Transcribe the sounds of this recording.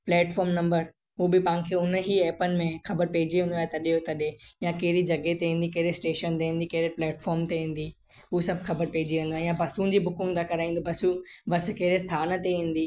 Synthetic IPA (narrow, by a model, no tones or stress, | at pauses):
plɛːʈfɔːɾmnɐ̃mbəɾ | ɦubɪpãɪ̃nkʰeːʊnɦiɛːpənɪ̆mẽxɐbəɾpeɦɪd͡ʑiʋẽːnd̪oaːɦet̪ɐɗijot̪ɐɗejãkeɦɪɾid͡ʑɐɡet̪ẽːn̆d̪ikɐɦɾesʈeːʃənt̪ẽɦẽːn̆d̪ikɐɦɾeplɛːʈfɔːɾmt̪eĩːn̆d̪i | ɦusɐbʱxɐbəɾpeɦɪd͡ʑiʋẽnd̪oaːɪjãbɐsũnd͡ʑiːbʊkɪ̃ŋɡt̪akɐɾaːĩːn̆d̪obɐsubɐs̆keɦɾest̪ʰaːnə̆t̪eĩːn̆d̪iː